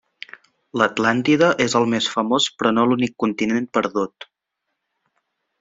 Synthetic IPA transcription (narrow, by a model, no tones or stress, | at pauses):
lət̪lant̪iðəʔezəlˠmesfəmospɾɔnolunikːunt̪inenpəɾðut̪